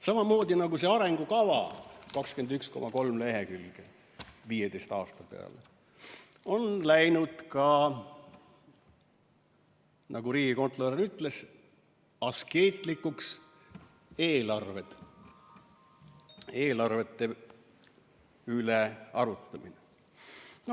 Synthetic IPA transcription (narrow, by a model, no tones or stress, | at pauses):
sɑmɑmo̞ːd̪inɑɡuse̞ɑɾe̞ŋɡ̥ukɑvɑ̰kɑkskyend̪yksko̞mɑko̞lmle̞ɦekylɡ̥e | viːjed̪e̞jst̪ɑːst̪ɑpe̞̰ɑ̰le | o̞nlæjnud̪̥kɑ | nʔɑɡ̥uɾiːɡ̥iko̞nt̪ˑloɾeyt̪ːˑle̞s | ɑske̞ːt̪ˑlikːuks | e̞ːlɑrve̞d̪̥ | e̞ːlɑrve̞t̪ːe̞ | yleɑɾut̪ːˑɑmine | no